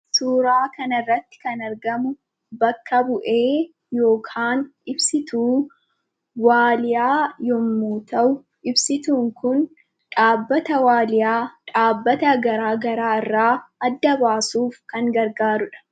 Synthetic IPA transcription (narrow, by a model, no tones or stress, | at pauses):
suːɾaːkɐnɐɪrːɐt̪ːɪ̥kɐnɐɾɡɐmʊ | bɐkːɐbʊʔe̞ː | jo̞ːkʰaːnɪbsɪt̪uː | waːlɪjaːjɔmːuːt̪ɐʔʊ | ʔɪbsɪt̪uːŋkʊn | ᶑaːbːɐt̪ɐwaːlɪjaːᶑaːbːɐt̪ɐɡɐɾaːɡɐɾaːɪrːaːɐd̪ːɐbaːsuːfkɐŋɡɐɾɡaːɾʊᶑɐ̥